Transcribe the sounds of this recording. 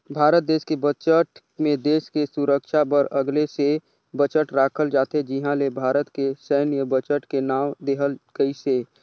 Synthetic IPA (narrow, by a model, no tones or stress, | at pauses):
bʱaːɾət̪̚d̪eːskebət͡ʃəʈ | mẽd̪eːskesuɾəkʃabəɾəɡlese | bət͡ʃəʈɾaːkʰəld͡ʒaːt̪ed͡ʒɪɦãlebʱaːɾət̪kesəːnjəbət͡ʃəʈkenaːʋd̪eːɦəlɡ̥əise